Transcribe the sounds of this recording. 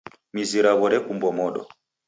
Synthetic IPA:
miziɾaβɔɾɛkumbɔmɔɗɔ̰

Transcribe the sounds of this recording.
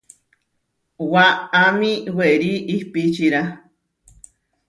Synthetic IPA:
waːmiweɾiʔihpit͡ʃiɾa

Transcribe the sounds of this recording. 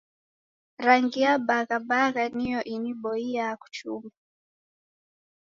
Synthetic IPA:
ɾaŋɡiaɓaɣaɓaɣanijɔʔiniɓɔiaaku̥t͡ʃuma

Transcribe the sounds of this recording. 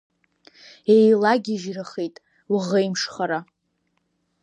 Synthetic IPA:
ejlaɡʲiʒraχejtʼ | wʁejmʂχaɾa

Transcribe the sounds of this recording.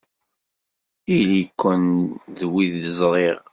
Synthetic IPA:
ilikʷːənðwiðəzˤɾˤeʁ

